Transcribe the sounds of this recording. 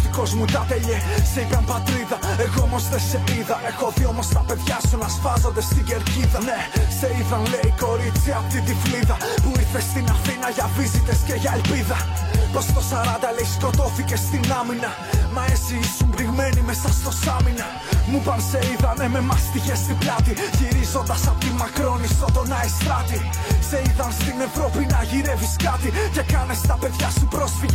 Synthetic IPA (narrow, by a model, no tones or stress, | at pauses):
iko̞zmut̪ɐt̪eʎeseipɐmpɐt̪ɾiðɐeɣoomo̞zðeseiðɐʔexo̞θio̞mo̞st̪ɐpe̞ðʝɐsunɐspɐzɐnd̪e̞st̪iɡeɾciðɐne̞se̞iðɐnle̞iko̞ɾit͡siɐft̪it̪ifliðɐ | puiθest̪inɐθinɐʝɐvizit̪esce̞ʝɐelpiðɐpost̪o̞sɐɾɐnd̪ɐle̞isko̞t̪o̞θice̞st̪inɐminɐ | mɐesiisumbɾiɣme̞nime̞sɐst̪o̞sɐminɐ | mupɐnse̞iðɐne̞me̞mɐst̪içe̞st̪iblɐt̪içiɾizo̞nd̪ɐsɐpot̪imɐkɾo̞nist̪ot̪o̞nɐest̪ɾɐt̪i | se̞iðɐnst̪ine̞vɾo̞pinɐʝiɾe̞viskɐt̪ice̞kɐne̞st̪ɐpe̞ðʝɐsupɾo̞sfiʝe